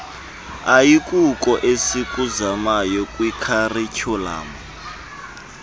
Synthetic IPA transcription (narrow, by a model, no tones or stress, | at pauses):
ajikʼukʼɔʔesikʼuzamajɔkʼwikʰarit͡ʃʰɔla̰ːmɔ